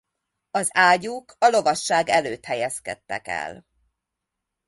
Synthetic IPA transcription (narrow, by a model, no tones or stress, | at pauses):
ɒzaːɟuːkɒlo̞vɒʃːaːɡɛløːt̪hɛjɛskɛ̰t̪ːɛ̰kɛ̰l